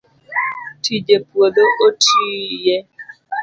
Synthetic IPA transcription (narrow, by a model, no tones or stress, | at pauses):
tʰid͡ʒepwod̪oʔotʰijɛ